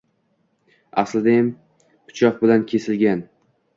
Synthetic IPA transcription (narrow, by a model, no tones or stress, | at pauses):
aslɪd̪ajam | pʰʊ̥t͡ʃʰɒq̚bɪlankʲʰe̞sɪlɡʲan